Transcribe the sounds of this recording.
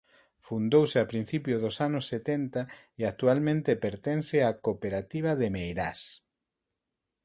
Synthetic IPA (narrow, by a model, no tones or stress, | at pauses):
fund̪owsɪapɾin̟θipjoðosanʊsːet̪ent̪aeak̚t̪ualmẽnt̪epeɾt̪en̟θeakopeɾat̪iβ̞aðemejɾas